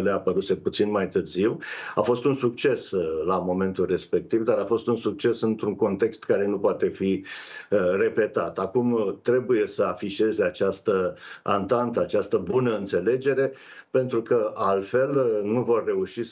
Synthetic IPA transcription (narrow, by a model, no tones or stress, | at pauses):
leapəɾuse̞put̪sinmajt̪ɨrziwafo̞st̪unsuk̚t͡ʃe̞slamo̞me̞nt̪ulre̞spe̞k̚t̪ivd̪aɾafo̞st̪unsuk̚t͡ʃe̞sɨnt̪ɾuŋko̞nt̪e̞kst̪kaɾe̞nupoat̪e̞fi | re̞pe̞t̪at̪akumt̪ɾe̞buje̞səafiʃe̞ze̞at͡ʃast̪əa̰nt̪ant̪əat͡ʃast̪əbunəɨnt̪se̞le̞d͡ʒe̞ɾe̞ | pe̞nt̪ɾukəalfe̞lnuvo̞rːe̞uʃi